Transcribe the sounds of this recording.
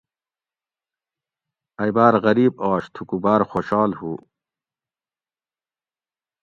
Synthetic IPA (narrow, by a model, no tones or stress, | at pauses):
ɐjbaːɾɣɐɾiːb̚aːɕt̪ʰukubaːɾxoːɕaːlhuː